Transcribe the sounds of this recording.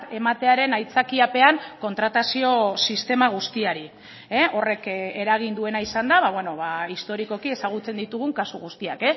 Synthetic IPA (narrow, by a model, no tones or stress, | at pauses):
e̞mat̪e̞aɾe̞najt͡sakiape̞aŋko̞nt̪ɾat̪asio̞sist̪e̞maɣ̞ust̪iaɾi | eo̞re̞ke̞ɾaɣ̞ind̪ue̞naisand̪aβaβwe̞no̞βaist̪o̞ɾiko̞kie̞saɣ̞ut͡se̞nd̪it̪uɣuŋkasuɣust̪ia̰ke̞s